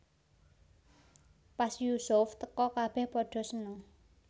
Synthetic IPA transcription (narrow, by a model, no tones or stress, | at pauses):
pasjusʊft̪əkɔkab̥ɛhpɔɖ̥ɔ̤sənʊŋ